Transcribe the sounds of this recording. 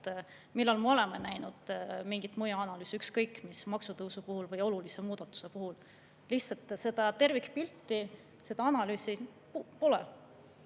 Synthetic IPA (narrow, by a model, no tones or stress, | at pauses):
milːɑlmeo̞le̞menæjnud̪̥miŋɡ̥it̪ˑmujɑɑnɑlyːsykskɤjkːmismɑksut̪ɤwsupuhulvɤjo̞lulise̞muːd̪̥ɑt̪ːˑu̥se̞puhul | lihtsɑlt̪ˑse̞d̪̥ɑt̪e̞rvikpilt̪ˑːi | se̞d̪̥ɑɑnɑlyːsi | po̞lɛ